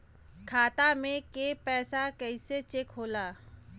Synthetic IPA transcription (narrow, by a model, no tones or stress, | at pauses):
kʰaːt̪amẽkepɛːsakɛɪset͡ʃekɦoːlaː